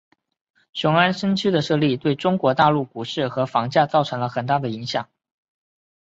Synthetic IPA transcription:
ɕjʊ˧˥ŋa˥nʂə˥nt͡ɕʰy˥d̪ə˨ʂɤ˥˧li˥˧˩t̪we˥˩ɪʈ͡ʂʊ˥ŋkwɔ˧˥t̪a˥˧lu˥˩ku˨˩ʂɻ̩˥˩xɤ˧˥fɑ˧˥ŋt͡ɕja˥˧t͡sɑ˥˩ʊʈ͡ʂʰɤ˧˥ŋlə˧xə˨˩nt̪̬a˥˩d̪ə˩i˧˥ŋɕjɑ˨˩˦ŋ

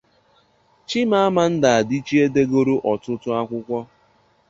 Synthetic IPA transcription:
t͡ʃi˦ma˦a˦ma˨n̩˦da˨a˨di˦t͡ʃi˦e˦de˦ɡo˦ɾo˦ʔɔ˨tʊ˦tʊ˦a˦kʷʊ˦kʷɔ˦

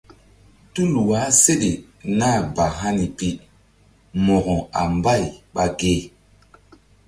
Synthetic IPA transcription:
tu˦lu˨wa˨˦se˦ɗi˨ | na˦˨ba˨ɦa˦ni˨pi˦ | mɔ˨ɣɔ˨a̰˨mba˦˨jɓa˨ɡe˦

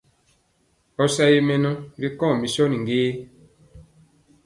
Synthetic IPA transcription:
ɔ˦sa˦je˦mɛ˦nɔ˦ɡi˦kɔ̃˦˨mi˨sɔ˦nĩ˨ŋ˨ɡeː˦

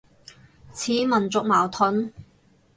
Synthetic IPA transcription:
t͡sʰiː˨˥mɐ˨˩nt͡sʊ˨k̚maː˨˩wt̪ʰɵ˨˥n

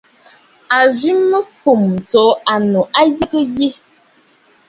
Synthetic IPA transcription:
a˨zi˦mːə˦fu˨m˨t͡so˨˦a˨no˨ʔa˦ji˦kə˦je˦

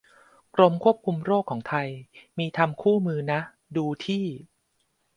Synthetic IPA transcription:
kɾo˧mkʰu˥˩əp̚kʰu˧mɾoː˥˩kʰːɔː˩˦ŋt̪ʰa˧jmiː˧t̪ʰa˧mkʰuː˥˩mɯː˧na˦˥ | duː˧t̪ʰiː˥˩

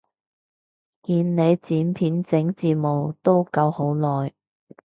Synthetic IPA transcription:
kiː˧nne˨˧jt͡siː˨˥npʰiː˨˥nt͡sɪ˨˥ŋt͡siː˨˧mo˨wt̪o˥wkɐ˧who˨˥wlɔː˨˩j

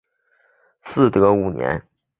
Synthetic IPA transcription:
sɹ̩˥˩t̪ɤ˧˥u˨˩njɛ̰˧˥n

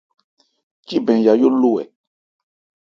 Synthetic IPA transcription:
ci˦bɛ̃˨ja˨jo˦lu˦ɛ̰˨

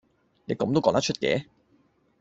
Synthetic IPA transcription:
ne˨˧kɐ˨˥mt̪o˥wkɔː˨˥ŋt̪ɐ˥t͡ʃʰɵ˥t̚kɛ̰ː˨˧˦

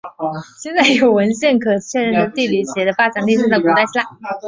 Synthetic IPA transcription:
ɕjɛ˥˧nt͡sa˥˩ɪjo˨˩ʊwə˧˥nɕjɛ˥˩nkʰɤ˨˩t͡ɕʰɥɛ˥˧nɻə˥˩nd̪ə˧˥t̪i˥˩ly˧˥˩ɕjɛ˧˥d̪ə˧fa˥ʈ͡ʂa˨˩nli˥˧s̩˥˧t͡s̪kɔ˧˥t̪a˥˧ɪt͡ɕʰi˥a˨˩˦

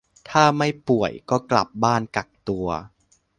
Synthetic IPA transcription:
t̪ʰaː˥˩ma˥˩jpu˨˩əjkɔː˥˩kla̰˨˩p̚baː˥˩nka˨˩k̚t̪u˧ɐ

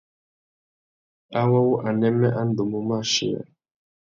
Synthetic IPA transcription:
a˦wa˦wu˦ʔa˨nɛ˦mɛ˦ʔa˦n˦do˨mu˨ma˦˨ʃḭ˨a̰˨

